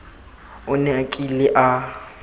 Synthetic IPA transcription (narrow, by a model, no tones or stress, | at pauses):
ʊnɛakʼilɪʔa